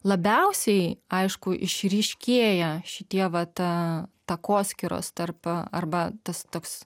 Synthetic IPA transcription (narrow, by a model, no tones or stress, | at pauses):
lˠɐbʲɛʊsʲɛɪɐɪʃkʊʔɪ̰ʃʲɾʲiʃʲkʲeːjɛʃʲɪt̪ʲiɛʋɐt̪ɐt̪ɐkoːsʲkʲɪɾo̰ːst̪ɐrpɐ̰rbɐt̪ɐst̪oːks